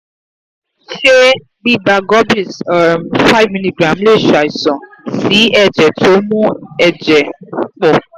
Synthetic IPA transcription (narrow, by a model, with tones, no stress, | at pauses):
ʃe˦ | ɡ͡bi˦da˨ɡɔ˦bi˨smfa˦jvmĩ˦li˦ɡɾa˨mle˦˨ʃa˨i˨sɔ̃˨si˨˦ɛ˨d͡ʒɛ˨tʰo˨˦mũ˦ɛ˨d͡ʒɛ˨k͡pɔ˨